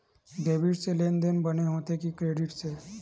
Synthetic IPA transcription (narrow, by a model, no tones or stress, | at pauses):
ɡebiʈselend̪enbəneɦot̪ekikɾeɖiʈse